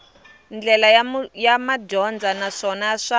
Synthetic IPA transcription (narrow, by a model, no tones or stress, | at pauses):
nd͡ɮɛlajamadɔnd͡zanaʂɔnaʂa